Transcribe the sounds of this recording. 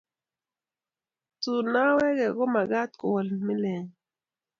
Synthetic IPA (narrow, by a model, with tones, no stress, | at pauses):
tu˨na˦wɛ˦ɡɛ˨ɡɔ˦ma˨ɡa˦t̪ko˨wɔ˨lmɪ˦lɛ˨ŋ